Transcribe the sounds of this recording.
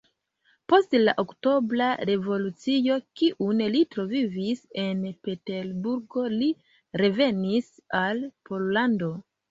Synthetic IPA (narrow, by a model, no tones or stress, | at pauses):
po̞stlaʔokto̞blaɾe̞vo̞lut͡sijo̞kiʔunlitɾo̞vivise̞npe̞te̞lbuɾɡo̞li | ɾe̞ve̞nisalpo̞lːando̞